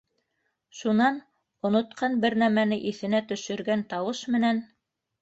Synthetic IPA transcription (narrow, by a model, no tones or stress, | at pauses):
ʃunɑn | ŏnŏt̪̚qʰɑnbɘɾnæmænɘʔiθɘ̆næt̪ɵ̆ʃɵ̆ɾɡænt̪ɑwɤʃmɘ̆næn